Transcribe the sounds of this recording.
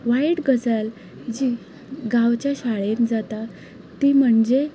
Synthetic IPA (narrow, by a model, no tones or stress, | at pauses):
ʋaiʈɡəsəl | d͡ʑiː | ɡaʋt͡ɕjaɕaɭend͡zat̪a | t̪iːm̤əɳd͡ʑe